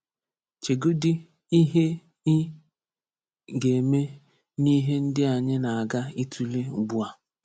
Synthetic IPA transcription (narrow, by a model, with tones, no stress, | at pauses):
t͡ʃe˨ɡo˦dɪ˦ | i˦ɦe˦ | i˦ | ɡe˨me˦ | ni˦ɦe˦n̩˦dɪ˦a˨ɲɪ˦na˨a˨ɡa˦i˦tʰu˦le˦˨ɡ͡bu˦a˨